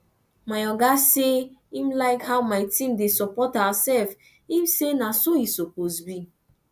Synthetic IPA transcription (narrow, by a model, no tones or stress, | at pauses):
majɔɡaseimlaɪkhawmaɪtĩmdesɔpɔthasɛlf | imsenasojisɔposbi